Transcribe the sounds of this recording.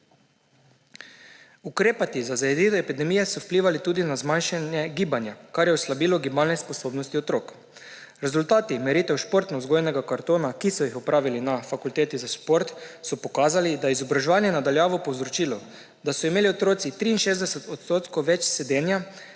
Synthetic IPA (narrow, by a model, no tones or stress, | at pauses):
ukɾeːpat̪izazajɛd̪iːt̪ɔepid̪ɛmiːjɛsɔwpliːʋalit̪uːd̪inazmanʃanjɛɡiːbanjakaɾjɛɔslabiːlɔɡibaːlnɛspɔsoːbnɔst̪iɔt̪ɾoːk | ɾɛzult̪aːt̪imɛɾiːt̪ɛwʃpoɾt̪nɔzɡojnɛɡakaɾt̪oːnakisɔjixɔpɾʔaːʋilinafakult̪eːt̪izaʃpoɾt̪sɔpɔkaːzalid̪ajɛizɔbɾaʒɛʋaːnjɛnad̪aljaːʋɔpɔwzɾɔt͡ʃiːlɔ | d̪asɔimeːliɔt̪ɾoːt̪sit̪ɾiːnʃeːzd̪ɛsɛt̪ɔt̪st̪oːt̪kɔʋɛt͡ʃsɛd̪eːnja